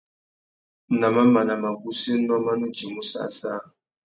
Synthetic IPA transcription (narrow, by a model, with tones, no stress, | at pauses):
na˨ma˦ma˨na˨ma˨ɡu˦si˦nɔ˦ma˦nu˦d͡ʒi˨mu˦sa̰˦˨sa̰˦˨